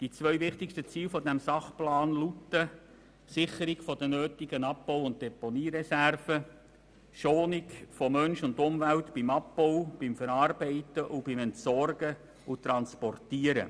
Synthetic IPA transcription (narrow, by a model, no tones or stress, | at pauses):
d̥it͡sʋœʏʋɪχtɪkʃtət͡siːlfɔdɛmsɑχplɑːnlutːə | sɪχəɾiɡfɔd̥ənøːtɪɡənɑp̚bɔwʊnt̚d̥ɛponiːɾɛsærfə | ʃoːnɪkfɔmœnʃʊndʊmvæltb̥ɪmɑpbɔwb̥ɪmfɛɾɑːrbɛɪtəʔʊb̥ɪmɛntsɔrɡə | ʊt̪ɾɑnspɔrtiːəɾə̰